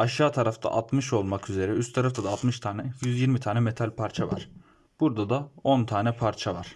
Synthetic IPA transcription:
aʃaːt̪ʰaɾaft̪ʰa̰ʔat̪mɯʃo̞lˠmakyze̞ɾɛyst̪t̪ʰaɾaft̪ʰad̪aːt̪mɯʃt̪ʰaːnɛjyzjiɾmit̪ʰaːnɛme̞t̪ʰalʲpʰaɾt͡ʃʰava̰ɾ̥ | b̥uɾd̪ad̪ao̞nt̪ʰaːnʲɛpʰaɾt͡ʃʰava̰ɾ̥

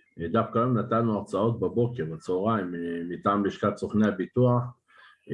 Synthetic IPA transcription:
d̪afkajomnat̪alnuaʁt͡sao̞t̪̚bebo̞keʁbat͡soʁaimmit̪aːmbiʃkatt͡soχneabit̪uaχ

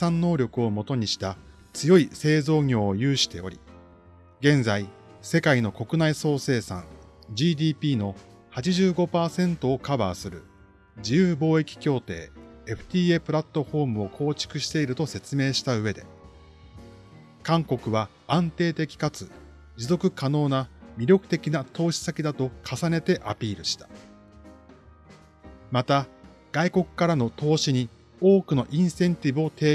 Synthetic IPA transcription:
sãnnːo̞ːɾʲo̞kɯ̟o̞mo̞t̪o̞ɲ̟iɕi̥t̪a | t͡sɨjo̞ise̞ːzo̞ːŋʲo̞ːojɯ̟ːɕi̥t̪e̞o̞̰ɾʲḭ | ɡẽ̞nzai | se̞kaino̞ko̞kɯ̟naiso̞ːse̞ːsã̰ŋ | d͡ʑiːd̪ʲiːpʲiːno̞ | hat͡ɕiʑɨːɡo̞paːsẽ̞nt̪o̞ːkabaːsɨɾɯ̟ | d͡ʑijɯːbo̞ːe̞kʲi̥kʲo̞ːt̪e̞̰ːeɸɯ̟̥t̪ʲiːe̞pɯ̟ɾat̪ːo̞ɸo̞ːmɯ̟o̞kʰo̞ːt͡ɕi̥kɯ̟ɕi̥t̪e̞iɾɯ̟t̪o̞se̞t͡sɨme̞ːɕi̥t̪aɯ̟βe̞d̪e̞̰ | kãŋko̞kɯ̟βa | ãnt̪e̞ːt̪e̞kʲi̥kat͡sɨ | d͡ʑizo̞kɯ̟kano̞ːnamʲiɾʲo̞kɯ̟̥t̪e̞kʲinat̪o̞ːɕi̥sakʲid̪at̪o̞kʰasane̞t̪e̞ʔapʲiːɾɯ̟ɕi̥t̪ḁ | mat̪a | ɡ̥aiko̞kɯ̟̥kaɾano̞t̪o̞ːɕiɲ̟i | o̞ːkɯ̟no̞ʔĩɰ̃sẽ̞nt̪ʲibɯ̟o̞t̪e̞ː

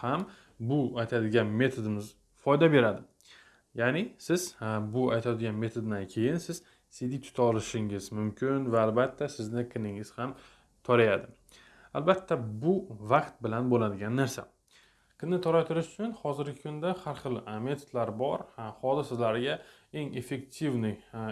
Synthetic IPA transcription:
ham | bʊajt̪ʰad̪ɪɡʲanme̞t̪ʰod̪ɪmɪz | fɒjd̪abe̞ɾad̪ɪ | janɪsɪz̥bʊajt̪ʰad̪ɪɡʲanme̞t̪ʰod̪d̪ankʲʰe̞jɪnsɪz̥ | sid̪it̪ʰʊ̥t̪ʰaɒlɪʃɪŋɪzmʊmkʲʰɪnvaːlbat̪ʰːasɪznɪqʰɨnɪŋɪz̥ham | t̪ʰɒɾajad̪ɪ | albat̪ʰːabʊvaqt̪̚bɪlanbolad̪ɪɡʲanːaɾsa̰ | qʰɨnɪt̪ʰɒɾat̪ʰʊɾɪʃʊ̥t͡ʃʰʊnhɒzɪɾɡʲɪkʰʊnd̪ahaɾχɨlˠme̞t̪ʰod̪laɾbɒɾχɒd̪ɪsɪlaɾɪɡʲa | e̞ŋe̞fe̞k̚t̪ʰivnɪ

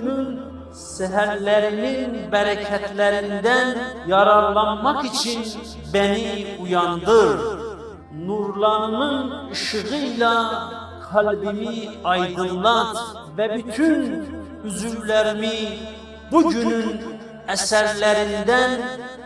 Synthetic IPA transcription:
nyn | sæɦæɾlæɾininbæɾæcʰæt̪ʰlæɾind̪ænjɑɾɑɾlˠɑnmɑχit͡ʃʰin | bæniujɑnd̪ɯɾ | nuɾlˠɑɾɯnɯnɯʃɯɣɯilˠɑ | kʰælbimiɑjd̪ɯnlˠɑt̪ | væbyt̪ʰyn | yzyvlæɾimi | buɟynyn | æsæɾlæɾind̪æn

